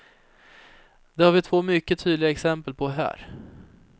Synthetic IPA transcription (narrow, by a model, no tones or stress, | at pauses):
d̪ɛhaɾvɪt̪ʰv̥oːmʏkːət̪ʰyːd̪lɪɡaɛksɛmpəlpʰɔɦæ̰ːɾ